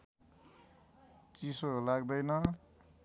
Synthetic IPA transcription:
t͡sisolaɡd̪ʌjnʌ

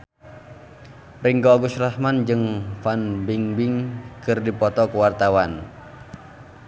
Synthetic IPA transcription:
riŋɡoaɡusrahmand͡ʒɨŋfanbiŋbɪŋkɨrdipɔt̪ɔkəwart̪awan

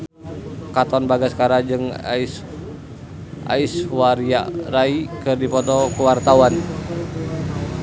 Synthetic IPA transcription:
kat̪ɔnbaɡaskaɾad͡ʒɨŋa̰is | ʔa̰iswaɾia̰raikɨrdipɔt̪ɔkuwart̪awan

